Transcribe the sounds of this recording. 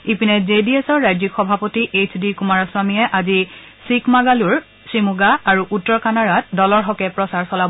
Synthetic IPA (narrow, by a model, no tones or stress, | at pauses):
ipinezediesɔɹːajzikxɔbʱapotiʔet͡ʃʰdikumaɹaswamijɛʔazi | sikmaɡaluɹ | sɹimuɡaːɹuʔutːɔɹkanaɹat̚dɔlɔɹɦɔkɛpɹɔsaɹsɔlab